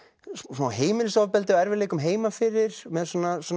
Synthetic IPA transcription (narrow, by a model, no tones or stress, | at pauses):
smaːwɦeːjmɪnʏsawvpɛlt̪ɪaɛɾvɪɾleːjkʏmɦeːjmafɪɾːɪɾ̥mɛðsɔːnaswɔn